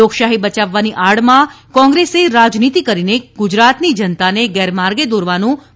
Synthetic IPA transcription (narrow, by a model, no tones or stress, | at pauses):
okʃaɦibət͡ʃaʋːaniʔaɽmã | kɔ̃ŋɡɾeseɾad͡ʒnit̪ikəɾineɡ̥ʊd͡ʒɾat̪nid͡ʒənt̪aneɡɛɾmaɾɡed̪oɾʋanũ